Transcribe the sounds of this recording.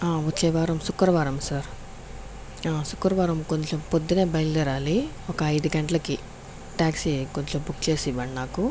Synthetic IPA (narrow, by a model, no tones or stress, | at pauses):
aːutːt͡ʃɐjʋaːɾɐmsukːɐɾɐʋaːɾɐmsaːɾ | aːsukːɐɾɐʋaːɾɐmko̞ɲt͡ʃempod̪ːineːbɐjlud̪iɾaːli | ɔkɐːjd̪uɡɐɳʈɐlɐki | ʈaːksiko̞ɲt͡ʃembukːt͡ʃe̞ːsiʋɐːɳnaːku